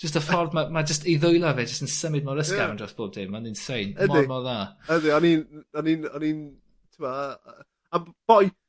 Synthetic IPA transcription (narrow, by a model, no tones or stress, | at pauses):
d͡ʒ̥əstəfɔrdmamad͡ʒəstiðʊjlˠavɛːd͡ʒəstənsəmɪd̚mɔɾəskaɾandrɔsb̥oːb̚d̥ɪmaninsejnəmdɪmɔðaədɪɔninɔninɔnin | tʰʊma | ab̥ɔj